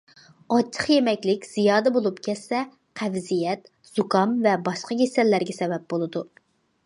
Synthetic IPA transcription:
ɑt͡ʃʰə̥χjemɛkʲlɪkʲz̥ijɑːd̪ɛbolˠupkʲʰɛsːɛ | qʰævzijɛt̪ | z̥ukɑmvɛbɑʃqɑɡʲesɛlːæɾɡʲɛsɛbɛp̚bolˠɨd̪u

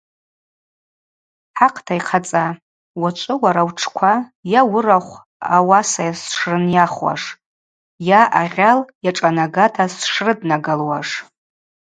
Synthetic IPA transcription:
ħaqʰʼtʰajqʰat͡sʼa | wat͡ʃʷʼɨwaɾawʈ͡ʂʰkʷʰajawʊraχʷ | awasajasʂrɨnjaχwa̰ʂ | jaʔaʁʲaljaʈ͡ʂʼanaɡatʰasʂrɨdnaɡalwaʂ

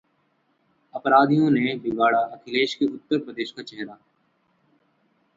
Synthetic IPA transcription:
ɐpɾaːd̪ʱijõnebɪɡaːɽaɐkʰɪleːʃkeʊt̪ːəɾpɾəd̪eːʃkat͡ʃɛɦɾaː

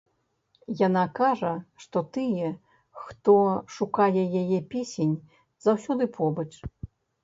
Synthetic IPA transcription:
jan̪akaʐɐʂt̪ɔt̪ɨjɛ | xt̪ɔʂukajɛjajɛpʲesʲenʲ | zawsʲɔd̪ɨpʰɔbɐt͡ʂ

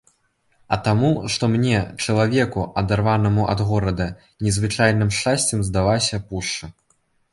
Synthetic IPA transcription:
ɐt̪amuʂt̪ɔmnʲɛt͡ʂɐlˠavʲɛkuɐd̪arvanɐmuʔɐ̰d̪ɣɔɾɐd̪ɐ | nʲɛzvɨt͡ʂajnɨmʂt͡ʂasʲt͡sʲɛmzd̪avasʲɐpuʂt͡ʂɨ

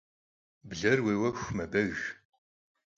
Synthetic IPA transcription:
bɮɐrweːwɐxʷmɐbɐɣ

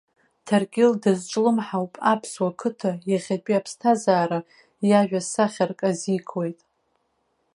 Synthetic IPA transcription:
tʰarkʲʼɪldɨzʈ͡ʂʷʼlɨmħawpʼapʰswakʰɨtʰajaχʲat͡pʼiapʰstʰazaːɾa | jaʒᶣasaχʲarkʼazikʰwe̞jtʼ

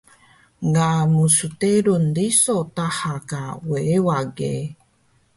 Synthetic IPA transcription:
ŋɡamusuteɾundisotahakaweewaɡḛ

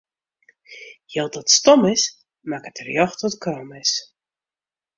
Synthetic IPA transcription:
jɛlˠdɔtstɔmɪs | makətərjɔχtɔtkrɔmɪs

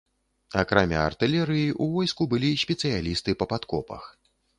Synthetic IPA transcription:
akɾamʲa̰ːrt̪ɨlʲɛɾɨjiʔuvɔjskubɨlʲisʲpʲɛt̪sɨjalʲist̪ɨpɐpat̪kɔpɐ̰x

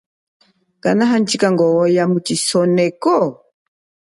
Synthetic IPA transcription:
kanaɦant͡ʃikaŋɡɔːjamut͡ʃisɔnɛkɔ

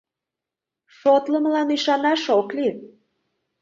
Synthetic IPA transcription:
ʃot̪ləməlɑniʃɑnɑʃokli

